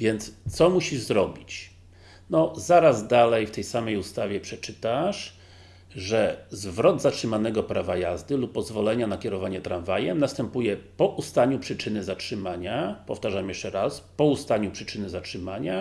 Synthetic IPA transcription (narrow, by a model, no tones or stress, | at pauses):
vʲjɛnt̪st̪sɔmuɕiʐzɾɔbʲit͡ɕ | nɔzaɾazd̪alɛjft̪ɛjsamɛjust̪avʲjɛpʂɛt͡ʂɘt̪aʂ | ʐɛzvɾɔd̪zatʂɘmanɛɡɔpɾavajazd̪ɘlupːɔzvɔlɛɲanakʲɛɾɔvaɲɛt̪ɾanvajɛmnast̪ɛmpujɛpɔʔust̪aɲupʂɘt͡ʂɘnɘzatʂɘmaɲapɔft̪aʐamjɛʂt͡ʂɛɾaspɔust̪aɲupʂɘt͡ʂɘnɘzatʂɘmaɲa